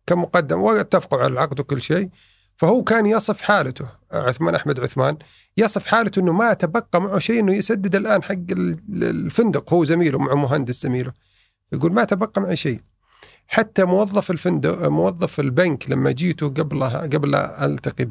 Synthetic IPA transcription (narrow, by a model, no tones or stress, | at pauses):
kamʊqɑd̪ːɪmwɪt̪ːafqʊʕa̰lalʕɑqd̪wkʊlːʃeː | fahuːkaːnjɑsˤɨfħaːlat̪ʊ | ʕʊθmaːnʔaħmad̪ʕʊθmaːn | jɑsˤɨfħaːlat̪ʊʔɪnːʊmaʔt̪abɑqːɑmaʕuʃeːʔɪnːʊjɪsad̪ːɪd̪ɪlʔaːnħaɡːɪl̰lfɪnd̪ʊqhuːzamiːlʊmaʕʊmʊɦand̪ɪsz̥amiːlʊ | fajɡuːlmaat̪abɑqːɑmaʕaʃeː | ħat̪ːamʊwɑðˤːɑfɪlfɪnd̪mʊwɑðˤːɑfɪlbanklamːa̰d͡ʒiːt̪ʊɡablɡabla̰ʔa̰lt̪aqi